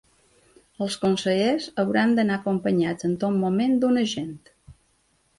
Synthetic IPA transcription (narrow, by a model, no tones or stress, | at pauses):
əlˠskonsəʎezəwɾand̪ənaəkompəɲad͡zənt̪ommumend̪unəʒent̪